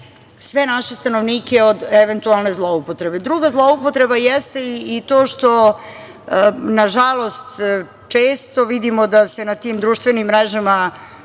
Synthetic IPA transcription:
sʋenaʃest̪anoʋniːkeod̪eʋent̪ualˠne̞zlˠoupot̪ɾe̞be̞d̪ɾuɡazlˠoupot̪ɾe̞bajɛst̪e̞iːt̪o̞ːʃt̪o̞ | naʒalˠo̞st̪ | t͡ʃeːst̪o̞ʋid̪imo̞d̪ase̞nat̪iːmd̪ɾuːʃt̪ʋenimːɾɛʒama

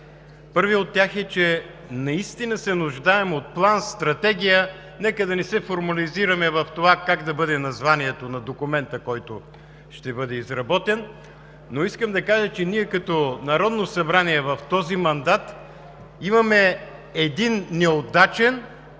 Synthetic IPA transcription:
pɤɾviot̪ːʲjaxɛt͡ʃɛ | nɐist̪inəsɛnʊʒd̪aɛmot̪̚plˠanst̪ɾɐt̪ɛɡʲijə | nɛkəd̪ɐnɛsɛfoɾmɐliziɾəmɛvɐft̪ovakaɡd̪ɐbɤd̪ɛnɐzvaniɛt̪onɐd̪okʊmɛnt̪əkɔjt̪ʊ | ʃt̪ɛbɤd̪ɛizɾɐbɔt̪ɛnː | oiskəmd̪ɐkaʒət͡ʃɛniɛkɐt̪ɔnɐɾɔd̪nosɐbɾaniɛvɐft̪ɔzimɐnd̪at̪ | imɐmɛɛd̪inːɛod̪at͡ʃɛn

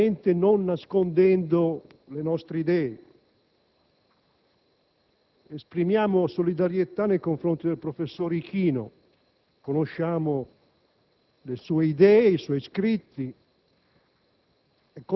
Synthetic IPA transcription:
ent̪enonːaskond̪ɛnd̪o | lenɔst̪ɾeid̪ɛːe | espɾimjaːmosolid̪aɾjet̪anːejkoɱfɾont̪id̪elpɾofesːoːɾik̟ʰiːno̰ | konoʃːaːmo | lesuːeid̪ɛːisɔjskɾit̪ːi | ekːo

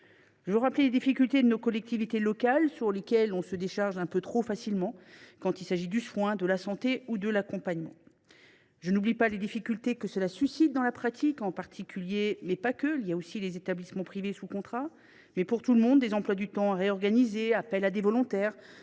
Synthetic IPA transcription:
ʒ̥əvøʁapleled̪ifikʲylt̪ed̪ənokɔlɛk̚t̪ivit̪elɔkalsyʁlekʲɛlɔ̃səd̪eʃaʁʒɛ̃pøt̪χofasilmɑ̃kɑ̃t̪ilsaʒid̪yswɛ̃d̪əlasɑ̃t̪eud̪əlakɔ̃paɲmɑ̃ | ʒənublipaled̪ifikʲylt̪ekəsəlasysit̪̚d̪ɑ̃lapχat̪ʰikɑ̃paʁt̪ʰikʲʰyljemɛpakəiljaosilezet̪ablismɑ̃pχivesukɔ̃t̪χa | mɛpuʁt̪uləmɔ̃d̪ːezɑ̃plwad̪yt̪ɑ̃aʁeɔʁɡanizeapɛlad̪evɔlɔ̃t̪ɛːʁ

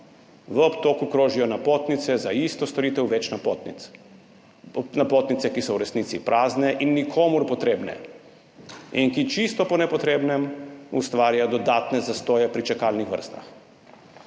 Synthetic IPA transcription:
ʋəɔpt̪oːkukɾoːʒijɔnapoːt̪nit̪sɛzaist̪ɔst̪ɔɾit̪ɛwʋɛt͡ʃnapt̪ | napoːt̪nit̪sɛkisɔwɾɛsniːt̪sipɾʔaːznɛʔinːikʰoːmuɾpɔt̪ɾeːbnɛ̰ | inkit͡ʃist̪ɔpɔnɛpɔt̪ɾeːbnɛmṵst̪ʋaːɾjajɔd̪ɔd̪aːt̪nɛzast̪oːjɛpɾit͡ʃɛkalnixʋə̰ɾst̪a̰x

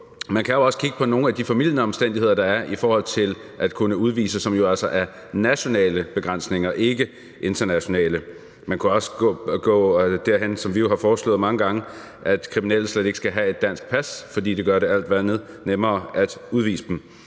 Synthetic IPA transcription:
mænkʰæjo̝ɒ̽sə̥kʰiɡ̥ə̥pʰɒ̽no̝ːn̩æd̥ifæmil̰jənəɒ̽msd̥en̰d̥ihe̝ð̰ˠɐd̥ɑ̈æɐʔifɒːhɒ̽l̰t͡sʰe̝l | ʔæd̥kʰunəuð̞ˠʋḭːsəsɒ̽mjo̝ælsɒʔæɐ | næɕo̝nɛ̰ːləb̥e̝ɡ̥ʁɑn̰sne̝ŋɐʔe̝ɡ̥ə | ʔe̝nd̥ɐnæɕo̝nɛ̰ːlə | mænkʰuɒ̽sə̥ɡ̥ɔɡ̥ɔ̰̽ːd̥æɐɦensɒ̽mʋijo̝hɑ̈fɒːslɔ̰̽ːð̩ˠmɑ̈ŋəɡ̥ɑ̈ŋə | ʔæd̥kʰʁiminɛ̰ːl̩ˠsled̥e̝ɡ̥əsɡ̥æɦæe̝d̥ːæn̰sɡ̥̚pʰæsfɒ̽dḭːd̥e̝ɡ̥ɶɐɾe̝æl̰d̥ʋæɐneð̞ˠ | nemɐːæd̥uð̞ˠʋḭːsəd̥m̩

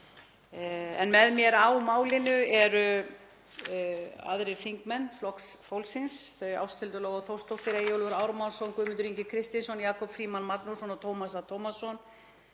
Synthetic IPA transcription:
ɛnmɛðmjɛɾawmaːwlɪnʏɛɾʏ | a̰ðɾɪɾfiŋkmɛnːflɔksfowlsɪnsθeja̰wst̪ʰɪlt̪ʏlɔːɣaθowst̪ɔht̪ɪɾeːjowlvʏɾaːwɾamawnsɔnkʏːmɪnt̪ʏɾiɲcɪkʰɾɪst̪ɪnsɔnjaːkɔpfɾiːmanmat̪nu̥sɔnat̪ʰowmasat̪ʰowmasɔn

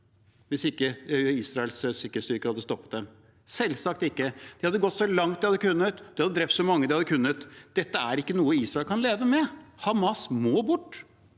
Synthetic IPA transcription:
ʋɪsɪkːəœʏiːsɾɑɛlssɪkːɛst̪yːkəɾhɑd̪ːəst̪ɔpːə̥t̪̚d̪ɛm | sɛlsɑk̚t̪ɪkːəd̪̥ɪhɑd̪ːəɡɔt̪ːsɔlɑŋt̪̚d̪ɪhɑd̪ːəkʉnːət̪d̪ɪhɑd̪əd̪ɾɛpt̪sɔmɑŋːəd̪ɪhɑd̪ːəkʉnːət̪d̪̥ɛt̪ːəæɾɪkːənuːəiːsɾɑɛlkʰɑnleːʋəmɛhɑmɑsmoːbʊʈː

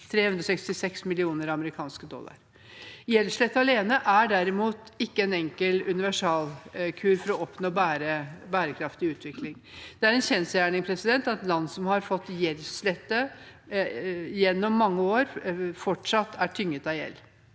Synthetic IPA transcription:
t̪ʰɾeːhʉnd̪ɾɔsɛkst̪ɪsɛksmɪlɪuːnəɾɑɑməɾɪkʰɑːnskəd̪ɔ̰lːɑ̰ɾ | jɛlʂlɛt̪ːəɑleːnəʔæɖæɾɪmuːt̪ɪkːəɛnɛŋkəlʉnɪʋæʂɑːlkʰʉːɾfɔɾɔɔpnoːbæːɾəbæːɾəkʰɾɑft̪ɪʉːt̪ʰʋɪklɪŋd̪̥ɛæɾɛnɕɛnsəjæːɳɪŋpʰɾɛsɪd̪ɛnt̪ɑt̪lɑnːsɔmhɑɾfɔt̪ːjɛlːʂlɛt̪ːə | jɛnːɔmːɑŋːəoːɾfɔʈʂɑt̪ːæʈʰʏŋːət̪ɑjɛ̰lː

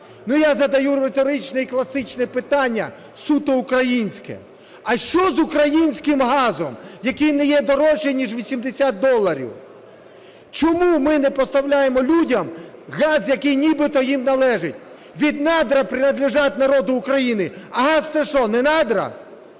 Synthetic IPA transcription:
nujazɐd̪ɐjuɾet̪ɔɾɪt͡ʃnɛiklˠɐsɪt͡ʃnɛpɪt̪ɑnʲːɐ | sut̪ɔʊkɾɐjinʲsʲkɛ̰ | ɐʃt͡ʃɔzʊkɾɐjinʲsʲkɪmɦɑzɔmjɐkijnɛjɛd̪ɔɾɔʃinʲiʒʋʲisʲimd̪ɪsʲat̪̚d̪ɔlˠːɐɾʲḭw | t͡ʃɔmumɪnɛpɔst̪ɐwlʲajemɔlʲudʲɐmɣɑzjɐkɪjnʲibɪt̪ɔjimnɐlˠɛʒɪtʲ | ʋʲid̪nɑd̪ɾɐpɾʲɪnɐd̪lʲɪʒɑt̪ʲnɐɾɔd̪ʊːkɾɐjinɪɐɦɑst̪sɛʃɔnɛnɑd̪ɾɐ̰

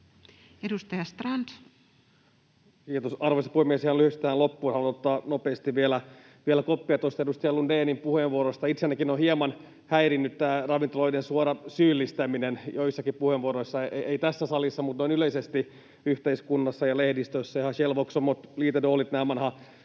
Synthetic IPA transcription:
edust̪ɑjɑst̪rɑnt̪ | kiːt̪osɑrʋosɑpuhemːiesihɑnlyhyst̪æːnlopːuːnhænonot̪ːɑːnopeːst̪iʋʋielæ | ʋielækopːiɑt̪ost̪ɑedust̪ɑjɑlundeːnimpuheʋʋuoɾost̪ɑit̪senːækinohiemɑn | hæiɾinːyt̪t̪æːrɑʋint̪oloidensuoɾɑsyːlːist̪æminenjoisːɑkippuheʋuoɾoisːɑeit̪æsːæsɑlisːɑmut̪noinyleisest̪i | yht̪eiskunːɑsːɑjɑlehdist̪øsːæihɑʃelʋoksomːot̪liːt̪edoːlit̪næːʋɑnhɑ

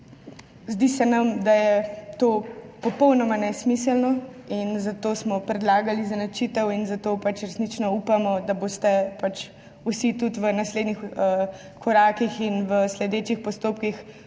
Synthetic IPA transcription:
zd̪isɛnamd̪ajɛt̪oːpɔpɔwnɔmanɛsmisəlnɔ | inzat̪oːsmɔpɾɛd̪laːɡalizanat͡ʃit̪ɛwinzat̪opat͡ʃɾɛsnit͡ʃnɔupamɔd̪abost̪ɛpat͡ʃ | usit̪ut̪ʋənasleːd̪nixə | kʰɔɾaːkixinʋəslɛd̪et͡ʃixpɔst̪oːpkix

